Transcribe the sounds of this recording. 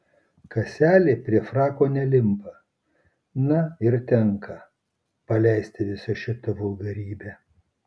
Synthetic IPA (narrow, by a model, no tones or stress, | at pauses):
kɐsʲæːlʲeːpʲɾʲiɛfɾɑːkoːnʲɛlʲɪmpɐ | nɐɪɾt̪ʲɛŋkʰɐ | pɐlʲɛɪsʲt̪ʲɪʋʲɪsɐʃʲɪt̪ɐʋɔlɡɐɾʲiːbʲæː